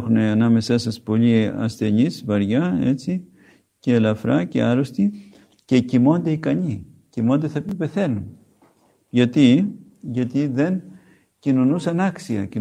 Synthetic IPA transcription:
xuneɐnɐme̞sɐsɐspo̞ʎiɐ̰sθe̞ɲizvɐɾʝɐe̞̰t͡si | ce̞lɐfɾɐce̞̰ɐɾo̞st̪i | ce̞cimo̞nd̪e̞ikɐɲi | cimo̞nd̪eθɐpipe̞θe̞nun | ʝɐt̪i | ʝɐt̪iðe̞n | cino̞nusɐnɐksiɐci

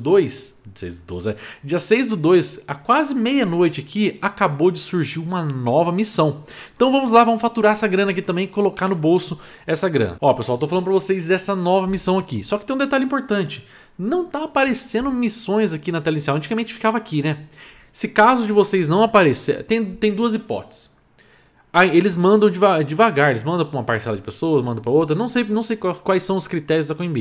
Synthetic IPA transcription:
d̪ojsʊsḛjzd̪ʊd̪o̰jzɛd͡ʒiɐsejzd̪ʊd̪ojsakwazɪmejɐnojt͡ʃɪakʰiakabod͡ʒɪsuɾʒiũmɐnɔvɐmisɐ̃w̃ẽnt̪ɐ̃w̃vɐ̃mʊzlavɐ̃mʊsfat̪uɾaɾɛsɐɡɾɐ̃nak̬it̪ɐ̃mbẽj̃kolokanʊbowsʊ | ɛsɐɡɾɐ̰̃nɐɔɐpeswawt̪owflɐ̃nʊpɾɐvosezd̪ɛsɐnɔvɐmisɐ̃w̃akisɔkɪt̪ẽj̃d̪et̪aʎʊĩpoɾt̪ɐ̃nt͡ʃɪ | nɐ̃w̃t̪aːpaɾesẽnd̪ʊmisõj̃zakinɐt̪ɛlɐĩsiawɐ̃t͡ʃiɡɐmẽnt͡ʃɪfi̥kavɐakʰinɛ | sɪkazʊd͡ʒɪvosejznɐ̃w̃apaɾesḛt̪ẽj̃t̪ẽj̃d̪uɐzipɔ̰t͡ʃ̪ɪ̥s | aelɪzmɐ̃nd̪ɐ̃w̃d͡ʒɪvad͡ʒɪvaɡaɾelɪzmɐ̃nd̪ɐ̃w̃pɾɐũmɐpaɾsɛlɐd͡ʒɪpesowɐsmɐ̃nd̪ɐ̃pɾɐowt̪ɾɐnɐ̃w̃sejnɐ̃w̃sejkakwajsːɐ̃w̃ʊskɾit̪ɛɾjʊzd̪ɐkõjĩbi

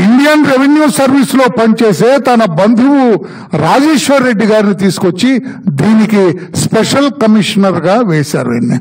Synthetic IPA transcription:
iɳɖijɐnɾeʋenjuːsɐɾʋiːslo̞ːpɐnt͡ʃe̞ːseːt̪ɐnɐbɐnd̪ʱuʋu | ɾaːd͡ʒeːʂʋɐɾe̞ɖːiɡaːɾinit̪iːsu̥kot͡ʃːid̪iːnikispeʂɐlkɐmiʂɐnɐɾɡaːʋeːsa̰ːɾuɐ̰nːḭ

